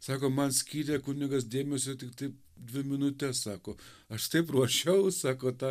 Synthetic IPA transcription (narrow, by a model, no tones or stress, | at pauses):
sɑːkoːmɐnsʲkʲiːɾʲɛkʊnʲɪɡɐsd̪ʲeːmʲɛsʲot̪ʲɪkt̪ɐɪp̚ | d̪ʲʋʲɪmʲɪnʊt̪ʲɛssɑːkoː | ɐʃt̪ɐɪpruɔʃʲɛʊsɑːkoːt̪ɑ